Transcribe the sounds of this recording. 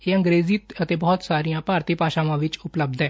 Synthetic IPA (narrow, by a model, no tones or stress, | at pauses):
jeə̃ŋɡɾeziːt̪ət̪ebɔɦɔt̪saɾijãpaːɾt̪ipaːɕãʋãʋit͡ʃʊpləb̚d̪ɛ